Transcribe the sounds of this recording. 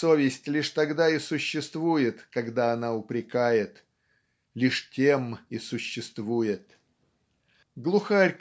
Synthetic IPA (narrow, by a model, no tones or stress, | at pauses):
sovʲɪsʲtʲlʲiʂt̪ɐɡd̪aɪsʊɕːɪst̪vujɪt̪kɐɡd̪aɐnaʊpɾʲɪkajɪt̪ | lʲiʂtʲemɪsʊɕːɪst̪vujɪt̪̚ | ɡlˠʊxarʲk